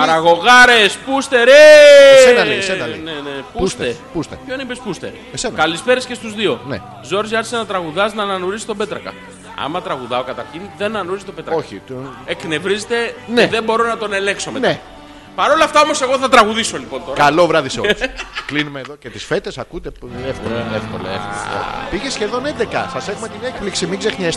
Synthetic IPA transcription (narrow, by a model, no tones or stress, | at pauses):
pɐɾɐɣo̞ɣɐɾe̞spust̪e̞ɾessenenepuust̪epust̪epçoneibespust̪e̞̰ɾ | senkɐlispe̞ɾesce̞st̪uzðio̞nḛ | zo̞ɾziɐɾçisenɐt̪ɾɐɣuðɐznɐːnɐnuɾisi̥t̪obe̞t̪ɾɐkɐ̰ | ɐ̰mɐt̪ɾɐɣuðɐo̞kɐt̪ɐɾçinðe̞nɐnɐnuiz̬it̪o̞be̞t̪ɾɐoçiekne̞vɾizet̪e̞neðe̞mbo̞ɾo̞nɐt̪o̞ne̞leŋkso̞mene | pɐɾo̞lɐft̪ɐo̞mo̞se̞ɣoθɐt̪ɾɐɣuðiso̞lipo̞nt̪o̞ɾɐlo̞vɾɐðisoklinumeːðocet̪isfe̞t̪esɐkut̪eefkolefko̰lɐ̰ḛfko̰piʝesçe̞ðo̞nend̪ekɐ̰sɐse̞xumet̪inekpliksimiɡzexɲes